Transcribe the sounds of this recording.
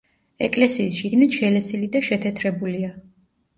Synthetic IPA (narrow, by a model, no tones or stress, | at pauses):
ɛ̰kʼlɛsiːsʃiɡnit̪ʃɛlɛsilid̪aʃɛt̪ʰɛt̪ʰɾɛbulia